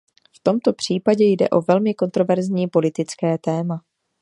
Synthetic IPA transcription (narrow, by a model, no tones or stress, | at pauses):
ft̪o̞mt̪o̞pr̝̥iːpaɟɛjdɛ̰ʔo̞vɛlmɪko̞nt̪ɾo̞vɛɾzɲiːpo̞lɪt̪ɪt͡skɛːt̪ɛːma